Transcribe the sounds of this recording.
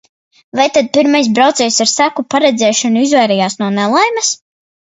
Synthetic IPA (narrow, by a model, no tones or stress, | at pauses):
vajt̪ad̪̚piɾmajs̬bɾawt̪sɛːjsaɾsækupaɾɛd̪zʲɛːʃɔnuizvɛjɾɛjaːsnuɔnɛlˠajmɛs